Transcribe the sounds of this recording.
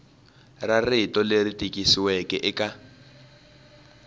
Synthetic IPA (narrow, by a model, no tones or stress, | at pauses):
raritɔleritʼikʼisiwɛkɛʔɛka